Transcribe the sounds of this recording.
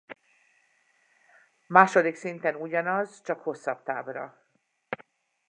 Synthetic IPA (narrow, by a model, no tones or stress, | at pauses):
maːʃo̞d̪iksint̪ɛnuɟɒnɒzt͡ʃɒkho̞sːɒbt̪a̰ːbrɒ̰